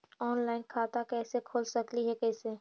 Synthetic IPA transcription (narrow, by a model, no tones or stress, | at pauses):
ɔːnlaːɪnkʰaːt̪akɛːsekʰoːlsɐkliɦɛkɛːseː